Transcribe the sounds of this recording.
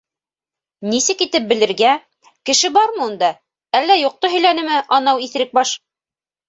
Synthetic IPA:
nisɘkit̪ɘp̚bɘ̆lɘ̆ɾɡæ | kɘ̆ʃɘbɑɾmɤ̆und̪ɑ | ælːæjoq̚t̪oɦɵ̆jlænɘ̆mɘʔɑnɑwiθ̆ɾɘk̚bɑʃ

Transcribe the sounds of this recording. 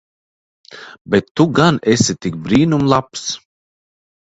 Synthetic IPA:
bet̪ːuɡanesʲit̪ik̚bɾiːnumlˠaps

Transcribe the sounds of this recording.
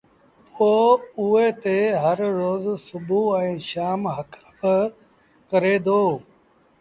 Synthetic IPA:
poːʊet̪eɦəɾɾoːzsʊbʱuɛ̃ːʃaːmɦəkʰabɪ | kəɾeːd̪oː

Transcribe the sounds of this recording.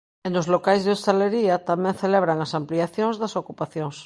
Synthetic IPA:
enozlokajzðeost̪aleɾiat̪amẽnθeleβɾaŋasampliaθjõŋzðɐsokupaθjoŋs

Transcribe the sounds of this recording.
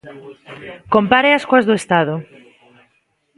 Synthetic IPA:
kompaɾeaskuazðʊest̪aðʊ

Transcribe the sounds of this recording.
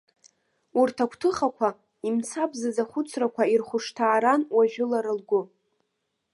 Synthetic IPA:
urtʰakʷʰtʰɨχakʷʰa | imt͡sʰabzazaχʷʊt͡sʰrakʷʰairχʷʊʂtʰaːɾanwaʒᶣʊlaɾɨlɡʷʊ

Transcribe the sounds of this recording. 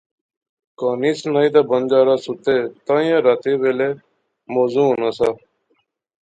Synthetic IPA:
kaːniːsnaːiːt̪aːbənd͡ʒaːɾaːsʊt̪eːt̪ãːjãːɾaːt̪eːʋeːleː | moːzũːnaːsaː

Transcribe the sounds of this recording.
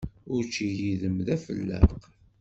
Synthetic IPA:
ʊɾt͡ʃːijiðəmðæfə̰lːə̰q

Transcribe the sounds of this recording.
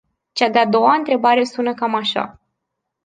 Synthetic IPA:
t͡ʃad̪ead̪o̞waɨnt̪ɾe̞baɾe̞sunəkamaʃa̰

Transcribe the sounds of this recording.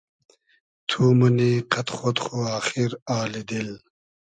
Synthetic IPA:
t̪ʰuːmuniqʰɐt̪χot̪χuaːxiɾaːlid̪il

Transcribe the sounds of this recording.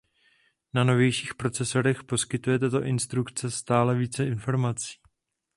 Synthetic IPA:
nano̞vjɛjʃiːxpɾo̞t͡sɛso̞ɾɛxpo̞skɪt̪ujɛt̪ɛt̪oʔɪnst̪ɾukt͡sɛst̪aːlɛviːt͡sɛɪnfo̞ɾmat͡si̥ː

